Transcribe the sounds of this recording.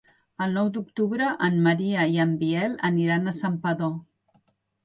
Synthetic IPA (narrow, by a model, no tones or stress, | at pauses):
əlˠnɔwd̪uk̚t̪uβɾəʔəmməɾiəiəmbiɛləniɾanəsampəðo